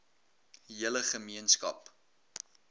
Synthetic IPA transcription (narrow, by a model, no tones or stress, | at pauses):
iələχəmiənskɐ̰p